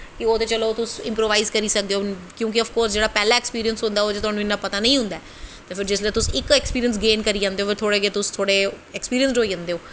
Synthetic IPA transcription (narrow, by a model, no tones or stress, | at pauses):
kɪoːt̪eːt͡ʃəloːt̪ʊsɪ̃mpɾoːʋaːiːzkəɾiːsək̚d̪eːoːkjõːk̬ɪəfkoːɾsd͡ʒeːɽaːpɛːlaːɛkspiːɾiənsɦʊ̃nd̪aːoːt̪eːt̪ʊɦaːnũːɪnːãːpət̪aːnə̃ĩːɦʊ̃nd̪aɛ | t̪eːpʰɪɾd͡ʒɪsləːt̪ʊsɪkɛːkspiːɾijəns̬ɡeːnkəɾiːd͡ʒãːnd̪eoːfʰpɪɾt̪ʰoːɽeːɡeːt̪ʊst̪ʰoːɽeː | ɛkspiːɾijə̃nsɾoːiːd͡ʒãːnd̪eːoː